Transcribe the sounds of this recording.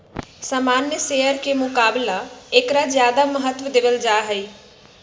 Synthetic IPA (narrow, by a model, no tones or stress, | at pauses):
saːmaːnːjəseːjəɾkemʊkaːblaekɾazjaːd̪aməɦət̪ʋəd̪ɪʋəld͡ʒaːɦəiː